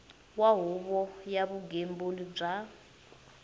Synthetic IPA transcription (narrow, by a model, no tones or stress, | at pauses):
waɦuβɔjaβuɡembolib͡ʐa